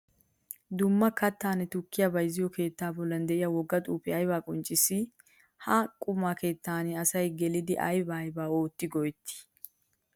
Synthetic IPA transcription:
d̪ʊmːɐkɐt̪ːaːnɛt̪ʊkːɪjabɐjzɪjɔke̞ːt̪ːaːbɔlːɐnd̪ɛʔɪjɐwɔɡːɐt̪ʼuːpɛɐjbaːkʼɔnt͡ʃʼːɪsɪ | hɐkʼʊmaːke̞ːt̪ːaːnɪɐsɐjɡɛlɪd̪ɪʔɐ̰jbaːjbaːo̞ːt̪ːɪɡɔjt̪ːɪ̥

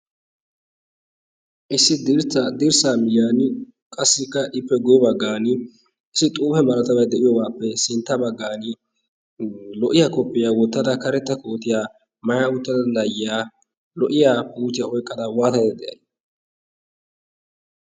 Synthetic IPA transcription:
ʔɪsːɪd̪ɪɾt͡s̪ːɐd̪ɪɾsaːmɪjaːn | kʼɐsːɪkːɐʔɪpːɛɡʊjɔbɐɡːaːnɪ | ɪsːɪt̪ʼuːfɛmɐlɐt̪ɐwɐjd̪ɛʔɪjɔwaːpːɛsɪnt̪ːɐbɐɡːaːn | lɔʔɪjaːkɔpʼːɪjaːwɔt̪ːɐd̪ɐkɐɾɛt̪ːɐko̞ːt̪ɪjaː | mɐjaʊt̪ːɐd̪ɐd̪ɐjɪjaː | lɔʔɪjaːpuːt̪ɪjaɔjkʼːɐd̪ɐwaːt̪ɐjd̪ɐd̪ɛʔɐj

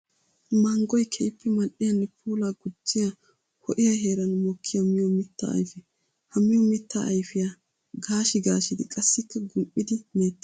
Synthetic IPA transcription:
mɐŋɡɔjkʰɛjɪpʰːɛmɐɗːɪjɐnːɛpʰuːlaːɡʊd͡ʒːɪja | hɔʔɪjɐɦe̞ːɾɐnʊmɔkʰːɪjɐmɪjɔmɪt̪ːɐ̰ːjfɛ | hɐmɪjɔmɪt̪ːa̰ʔːjfɪjɐ | ɡaːʃɪɡaːʃɪd̪ɪkʼɐsːɪkːɐɡʊmʔʼɪd̪ɪmeːt̪ːɪ̥

